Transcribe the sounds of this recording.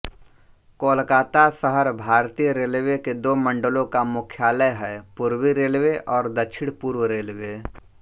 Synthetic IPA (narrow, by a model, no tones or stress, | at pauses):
koːlkaːt̪asəɦəɾbʱaːɾt̪ijəɾeːlʋeked̪oːmə̃ɳɖəlõkamʊkʰjaːləjɦɛːpuːɾwiɾeːlʋeʔɔːɾd̪ɐt͡ʃʰɪɽpuːɾwɾeːlʋe